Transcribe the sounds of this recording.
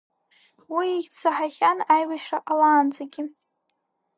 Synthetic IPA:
wiːɡʲt͡sʰaħaχʲanajwaʃraʔalaːnd͡zaɡʲɪ

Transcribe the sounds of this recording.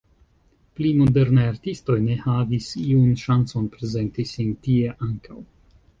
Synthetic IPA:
plimo̞de̞ɾnajaɾtisto̞jne̞havisiunʃant͡so̞npɾe̞ze̞ntisintie̞ʔaŋkaw

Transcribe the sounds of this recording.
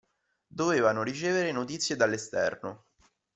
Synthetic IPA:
d̪oveːvanoɾit͡ʃeːveɾenot̪̬it̪sːjed̪alːest̪ɛ̰rno̰

